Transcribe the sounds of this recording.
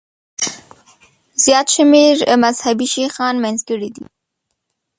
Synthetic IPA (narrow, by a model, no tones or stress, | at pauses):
z̥jɑt̪ʃɪmeɾmazhabiʃixɑnmanzɡəɽid̪ḭ